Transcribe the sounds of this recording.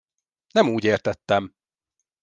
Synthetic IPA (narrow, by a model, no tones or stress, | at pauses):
nɛmuːɟeːrt̪ɛt̪ːɛm